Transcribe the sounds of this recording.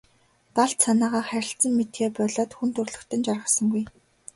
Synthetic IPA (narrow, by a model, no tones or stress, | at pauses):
t̪aɬt̪sanaːʁaːχæɾʲɪ̆ɬt͡sə̆mːet̪ɡeːpɔɮɔːt̪xunt̪ʰɵrɮɵ̆kt̪ə̆nt͡ɕarʁə̆sə̆ŋɡuj